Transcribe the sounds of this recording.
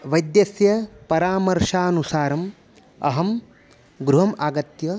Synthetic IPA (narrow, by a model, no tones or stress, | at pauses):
ʋɐjd̪jɐsjɐpɐɾaːmɐɾʂaːnusaːɾɐm | ɐ̰ɦɐm | ɡɾuɦɐmaːɡɐt̪jɐ